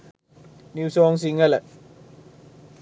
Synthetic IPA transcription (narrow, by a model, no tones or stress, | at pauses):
niwsɔŋs̬iŋɛlɛt̚